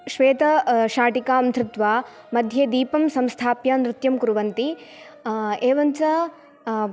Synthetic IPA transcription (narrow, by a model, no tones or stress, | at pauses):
ʃʋeːt̪ɐʃaːʈikaːɐnt̪ʰɾɪt̪ʋaː | mɐd̪ʱjeːd̪iːpɐmsɐ̃mst̪ʰaːpjɐnɾɪt̪jɐmkuɾuʋɐnt̪i | eːʋɐnt͡ʃɐ